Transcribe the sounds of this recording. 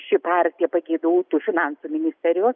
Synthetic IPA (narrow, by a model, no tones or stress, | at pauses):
ʃʲɪpɑrʲkt̪ʲijɛpɐɡʲeːd̪ɐʋoːt̪uːfʲɪnɑnsumʲɪnʲɪsʲt̪ʲɛɾʲjoːs